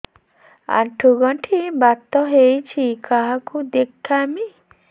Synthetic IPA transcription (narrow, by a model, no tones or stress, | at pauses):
a̰ʈʰuɡɔʈʰibat̪ːɔɦejt͡ʃʰikaɦakud̪ekʰːami